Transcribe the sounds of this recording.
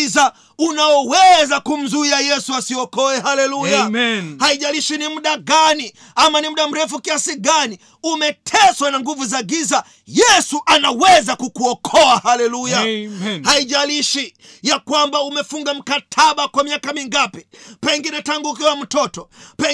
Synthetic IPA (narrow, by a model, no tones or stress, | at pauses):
za | unaɔwɛzakum̩zuiajɛsuasiɔkɔɛhalɛlujahaiʄaliʃinim̩ɗaɡani | amanim̩ɗam̩ɾɛfukiasiɠani | umɛtʰɛswanaŋɡuvuzaɡiza | jɛsuʔanawɛzakukuɔkʰɔahalɛlujahaiʄaliʃi | jakwambaumɛfuŋɡam̩katʰaɓakwamiakamiŋɡapɛpɛŋɡinɛtaŋɡuːkiwam̩tɔtɔpɛ